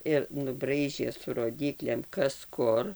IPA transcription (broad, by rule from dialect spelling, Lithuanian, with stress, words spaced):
ɪr nʊˈbrɐɪʒʲeː sʊ roːˈdʲiːklʲeːm ˈkɐs ˈkʊr